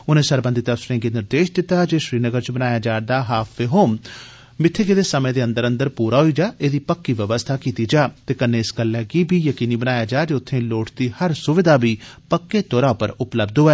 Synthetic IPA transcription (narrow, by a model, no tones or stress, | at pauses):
ʊnẽːsəɾbə̃nd̪iːt̪əpsɾẽːɡeːnɪɾd̪eːʃd̪ɪt̪ːaːd͡ʒeːʃɾiːnəɡəɾt͡ʃbənaːjaːd͡ʒaːd̪aːɦaːpʰʋeːɦoːm | mɪt̪ʰːeːkeːd̪eːsəmẽːd̪eːənd̪əɾə̃nd̪əɾpuːɾaːɦoiːd͡ʒaːʔeːd̪iːpəkːiːʋəʋəst̪ʰaːkiːt̪iːd͡ʒaːt̪eːkənːeːɪsɡəlːɛːkiːbiːjəkiːniːbənaːjaːd͡ʒaːd͡ʒeːʊt̪ʰːẽːloːʈʰd̪iːhəɾsʊʋɪd̪aːbiːpəkːeːt̪oːɾaːʊpəɾʊpləbd̪ɦoːɛː